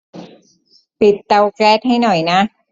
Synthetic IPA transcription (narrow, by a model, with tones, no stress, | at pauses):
pi˨˩t̪ːa˧wkɛː˦˥˩t̪̚ha˥˩jnɔ˨˩jna˦˥